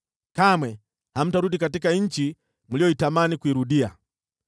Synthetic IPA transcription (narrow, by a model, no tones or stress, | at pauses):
kamwɛ | ham̩taɾuɗikatikaɲ̩t͡ʃi | m̩lijɔitamanikuiɾuɗia